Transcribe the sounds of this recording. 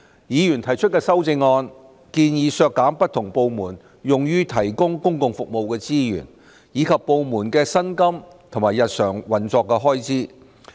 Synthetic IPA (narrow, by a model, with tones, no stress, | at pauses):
jiː˨˧jyː˨˩nt̪ʰɐ˨˩jt͡ʃʰɵ˥t̚kɛː˧sɐ˥wt͡sɪ˧ŋːɔː˧n | kiː˧njiː˨˧sœː˧kːaː˨˥mpɐ˥t̪̚ʰʊ˨˩ŋpo˧wmuː˨˩n | jʊ˨ŋjyː˥t̪ʰɐ˨˩jkʊ˥ŋkʊ˥ŋkʊ˧ŋfʊ˨k̚mo˨˧wkɛː˧t͡siː˥jy̰ː˨˩n | jiː˨˧kʰɐ˨pːo˧wmuː˨˩nkɛː˧sɐ˥nkɐ˥mt̪ʰʊ˨˩maː˨˩jɐ˨t̚sœː˨˩ŋwɐ˨nt͡sɔː˧kːɛː˧ɦɔː˥jt͡siː˥